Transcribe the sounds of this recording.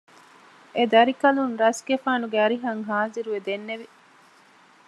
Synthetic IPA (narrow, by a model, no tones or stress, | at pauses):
ed̪ɐɾikɐlunɾɐsɡefaːnuɡeɐɾiɦɐŋɦaːziɾuʋed̪enːeʋi